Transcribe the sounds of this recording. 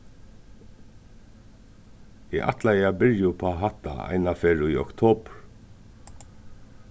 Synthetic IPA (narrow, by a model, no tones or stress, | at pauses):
jɛʔa̰t̪lajɛabɪɾjʊpʰaɦat̪a̰a̰jnafeːɹʊiɔ̰kt̪ʰoːpɹ